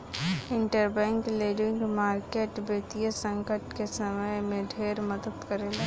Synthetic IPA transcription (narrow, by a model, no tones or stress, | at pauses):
ɪ̃ɳʈəɾbɛ̃ːŋkleːɖɪ̃ŋɡmaːɾkeːʈbeːt̪ijəsə̃ŋkəʈkesəməjmẽɖʱeːɾməd̪əd̪kəɾeːle